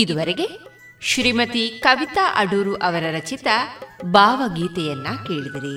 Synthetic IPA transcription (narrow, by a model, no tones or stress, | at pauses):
id̪uʋɐɾeɡe̞ | ʃɾiːmɐt̪ikɐʋit̪aʔɐɖuːɾuʔɐʋɐɾɐɾɐt͡ʃit̪ɐbaːʋɐɡiːt̪ɛjɐnːɐke̞ːɭid̪ɐɾi